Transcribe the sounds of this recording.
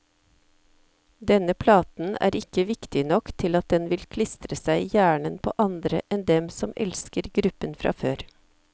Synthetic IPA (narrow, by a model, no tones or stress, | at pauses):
d̪ɛnəpʰlɑːt̪n̩æ̰ːɾɪkəʋɪkt̪ɪnɔkt̪ʰɪlɑt̪̚d̪ɛnʋɪlkʰlɪst̪ɾəsæɪjæːɳənpʰo̰ːʔɑnd̪ɾəʔɛnd̪ɛmsɔmɛ̰lskəɾɡɾʉpənfɾʔɑ̰ːføːɾ